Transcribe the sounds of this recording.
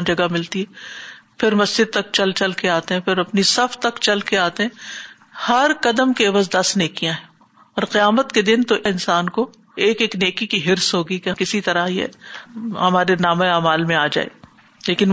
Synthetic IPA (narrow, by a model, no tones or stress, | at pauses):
nd͡ʒɐɡamɪlt̪iɦɛːpʰɪɾmɐsd͡ʒɪd̪̚t̪ɐk̚t͡ʃɐlt͡ʃɐlkeaːt̪eɦɛ̃pʰɪɾɐpnisɐft̪ɐkt͡ʃɐlkeaːt̪eɦɛ̃ | hɐɾqɐd̪əmkeːʋəzd̪ɐsneːkijãɦɛ̃ | ɔːɾqɪjaːmət̪ked̪ɪnt̪oʔɪ̃nsaːnko | eːkeːkneːkikiɦɪɾsɦoːɡikekɪsit̪ɐɾajḛ | ɦɐmaːɾenaːmẽaːmaːlmẽaːd͡ʒa̰ːḛː | leːkɪn